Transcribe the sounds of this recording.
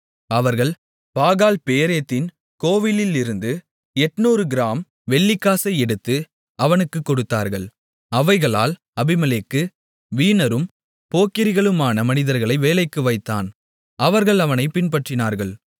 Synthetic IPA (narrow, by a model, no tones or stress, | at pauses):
ɐʋɐɾɣɐɭ | paːɣaːlpeːɾejɐt̪ːɪn | koːʋɪlɪlɪɾɯnd̪ɯ | ɛʈːnuːɾɯɡɪɾaːm | ʋɛɭːɪkːaːsɐɪɛɽɯt̪ːɯ | ɐʋɐnɯkːɯkːɔɽɯt̪ːaːɾɣɐɭ | ɐʋɐɪɣɐɭa̰ːl | ɐbɪmɐleːkːɯ | ʋiːnɐɾɯm | poːkːɪɾɪɣɐɭɯmaːnɐmɐnɪðɐɾɣɐɭɐɪʋeːlɐɪkːɯʋɐɪt̪ːa̰ːn | ɐʋɐɾɣɐɭɐʋɐnɐɪpɪnpɐʈrɪnaːɾɣɐɭ